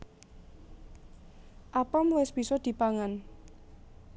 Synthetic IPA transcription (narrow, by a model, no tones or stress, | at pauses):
ʔapamwɪsb̥isɔd̪̥i̤paŋan